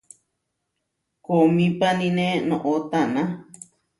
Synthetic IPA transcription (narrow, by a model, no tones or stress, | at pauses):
komĩpanĩnẽnõʔot̪anã